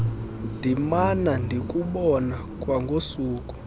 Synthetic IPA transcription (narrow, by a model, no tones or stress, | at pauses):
ndʱimanandʱikʼuɓɔnakʼwaŋɡʱosuːkʼu̥